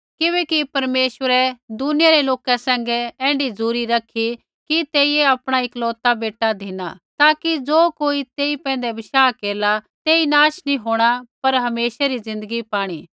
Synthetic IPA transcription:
kɪbɛːkipɐɾmeːʃwəɾɛd̪ʊnɪjaɾeloːkɛsɛ̃ːŋɡɛɛ̃ːɳɖid͡zuːɾiɾɐkʰi | kit̪eːieɐpɽ̃aɪklɔːt̪abeːʈːad̪ʱina̰t̪aːkid͡zoːkoːit̪eːipɛ̃ːn̆d̪ɛbɪʃaːkeːɾla | t̪eːinaːʃnĩɦoːɽ̃apɐɾɦɐmeːʃaɾizɪ̃nd̪əɡipaːɽ̃iː

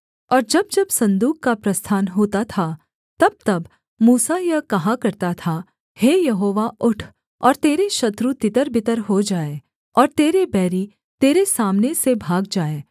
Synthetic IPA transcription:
ɔːɾd͡ʒɐb̚d͡ʒɐbsɐ̃nd̪uːkkapɾɐst̪ʰaːnɦoːt̪at̪ʰa | t̪ɐb̚t̪ɐb | muːsajɐkɐɦãkɐɾt̪at̪ʰa | heːjɐɦoːʋaʔʊʈʰ | ɔːɾt̪eːɾeʃɐt̪ɾut̪ɪt̪əɾbɪt̪əɾɦod͡ʒaːe | ɔːɾt̪eːɾebɛːɾi | t̪eːɾesaːmnesebʱaːɡ̚d͡ʒaːeː

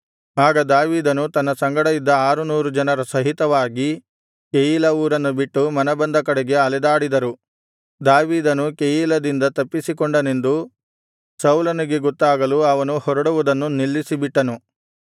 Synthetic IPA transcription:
aːɡɐd̪aːʋiːd̪ɐnut̪ɐnːɐsɐŋɡɐɽɐjid̪ːɐaːɾunuːɾud͡ʒɐnɐɾɐsɐɦit̪ɐʋaːɡi | kejiːlɐuːɾɐnːubiʈːumɐnɐbɐnd̪ɐkɐɽɛɡe̞ɐlɛd̪aːɽid̪ɐɾu | d̪aːʋiːd̪ɐnukejiːlɐd̪ind̪ɐt̪ɐpːisikɔɳɖɐne̞nd̪u | sɐwlɐniɡe̞ɡɔt̪ːaːɡɐluɐʋɐnuhɔɾɐɽuʋud̪ɐnːunilːisibiʈːɐnu

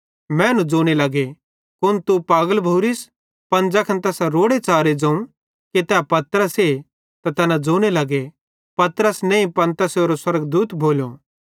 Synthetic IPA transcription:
mɛ̃ɐnũd͡ʒoːñelɐɡe | kʊnt̪upaːɡəlbʱoːɾis | pɐnd͡ʒɐkʰɐnt̪ɛːsaɾoːɽet͡ʃaːɾed͡ʒɐ̃ũ | ket̪ɛːpɐt̪əɾəse | t̪at̪ɛːnãd͡ʒoːɽ̃elɐɡe | pɐt̪ɾəsnẽĩpɐ̃nt̪əsoːɾoswɐɾəɡd̪uːt̪bʱoːljo̰ː

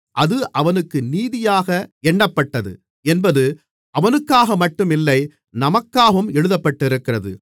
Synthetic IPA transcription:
ʔɐðɯʔɐʋɐnɯkːɯniːðɪjaːɣɐɛɳːɐpːɐʈːɐðɯ̰ | ɛnbɐðɯ | ʔɐʋɐnɯkːaːɣɐmɐʈːɯmɪlːɐɪ | nɐmɐkːaːʋɯmɛɻɯðɐpːɐʈːɪɾɯkːɪrɐðɯ̰

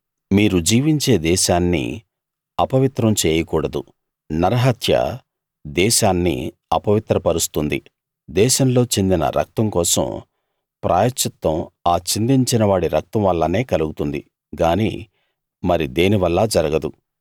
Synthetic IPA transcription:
miːɾud͡ʒiːʋiɲt͡ʃe̞ːd̪ɛːʃaːnːḭ | ɐpɐʋit̪ɾɐmt͡ʃeːjɐkuːɽɐd̪u | nɐɾɐɦɐt̪ʰjɐ̰ | d̪ɛːʃaːnːḭ | ɐpɐʋit̪ɾɐpɐɾust̪und̪ḭ | d̪ɛːʃɐmlo̞ːt͡ʃe̞nd̪inɐ̰ɾʔɐ̰k̚t̪ɐŋkɔːsɐ̰m | pɾʔaːjɐt͡ʃɐt̪ːɐmaːt͡ʃind̪iɲt͡ʃinɐʋaːɽiɾɐk̚t̪ɐmʋɐlːɐne̞ːkɐluɡut̪und̪i | ɡaːnḭː | mɐɾid̪e̞ːniʋɐlːɐd͡ʒɐɾɐɡɐd̪u

